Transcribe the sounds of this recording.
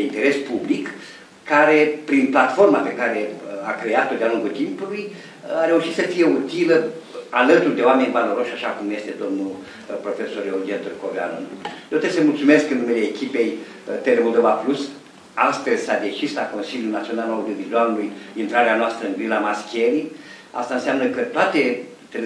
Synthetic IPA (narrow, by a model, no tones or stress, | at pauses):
eint̪e̞ɾe̞spublik | kːaɾe̞pɾinplat̪fo̞rmape̞kaɾe̞akɾe̞at̪o̞d̪ealuŋɡult̪impuluj | aɾe̞uʃit̪səfije̞ut̪iləalət̪urʲd̪eoame̞nʲvalo̞ɾo̞ʃʲaʃakumje̞st̪e̞d̪o̞mnu | pɾo̞fe̞so̞ɾeoɡient̪urkovea̰no̰d̪eot̪esəmult̪sume̞skɨnːume̞leːkʲipe̞j | t̪elemo̞lˠd̪o̞vaplus | ast̪əzʲsad̪e̞t͡ʃislako̞nsilʲjunat̪sio̞nalaud̪jovizualulujint̪ɾaɾeanoast̪ɾəɨnɡɾilamaskʲeɾia̰st̪aɨnsiamnəkət̪oat̪e | t̪el